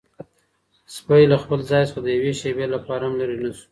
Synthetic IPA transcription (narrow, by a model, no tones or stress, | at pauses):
spajlaxpəlzɑjsad̪əjaweʃebelapɑɾaamlaɾinasu̥